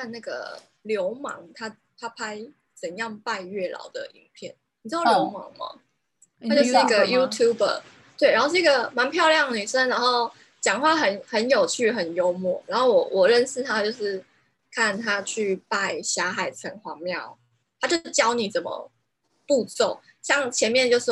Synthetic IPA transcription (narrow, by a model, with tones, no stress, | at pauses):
kʰa˥˧na˥˩ɡə̰˩ | ljo˧˦ʊmɑ̰˧˦ŋt̪ʰa˦˥ | t̪ʰa˦pʰa˥ɪ | t͡sə˨˩njɑ˥˧ŋpa˥˧ɪɥɛ˥˩lɑ̰˨˩˦ʊd̪ə̰˨ʔḭ˨˩ŋpʰjɛ˥˩nnni˨˩ɻ̩˥d̪ɑ˥˩˧ljo˧˦˥ʊmɑ̰˧˥˦ŋma̰˨ | a˥t͡ɕjʊʂ̩˥˩i˥ɡə˨ju˦˥t̪ʰju˥bə̰˨˩ | t̪we˥˩a˧˥xo˥˧ʂ̩˥i˥ɡə˨˩ma˧˦npʰjɑ˥˧ʊljɑ˥˩ŋny˨˩ʂə˦nla˧˥nho˥˩ʊ | t͡ɕjɑ˨˩ŋxwa˥˧˩ɦə˧˦nhə˧˦njo˨˩ʊt͡ɕʰy˥˩xə˨˩njo˥ʊmwɔ˥˨˩ɻa˧˥nxo˥˩wɔ˨˩wʔɔ˨˩ɻə˥˧nʂɻ̩˥˩t̪ʰa˦t͡ɕjo˥˧ʊʂɻ̩˥˩ | kʰa˥˩nt̪ʰa˦t͡ɕʰy˥˨pa˥˧ɪɕja˧˥xa˨˩ɪt͡sʰə˧˥ŋxwɑ˧˥mjɑ˥˨˩ʊ | t̪ʰa˥t͡ɕjo˥˧˩ʊt͡ɕjɑ˥ʊni˨˩˦t͡sə˨˩mə̰˨˩ | pu˥˧t͡so˥˩ʊ | ɕjɑ˥˩ŋt͡ɕʰjɛ˧˦nmjɛ˥˧nt͡ɕjo˥˧ʊʂ̩˥˩